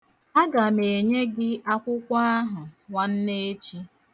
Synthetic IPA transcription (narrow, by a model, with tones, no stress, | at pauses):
a˦ɡa˨me˨e˨ɲe˦ɡɪ˦ʔa˦kʷʊ˦kʷa˦a˦ɦʊ˨wa˨n̩˦ne˦t͡ʃi˦